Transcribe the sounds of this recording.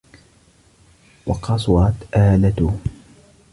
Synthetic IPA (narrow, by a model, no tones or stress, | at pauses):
wɑqɑsˤwɑt̪ʔaːlat̪ʊ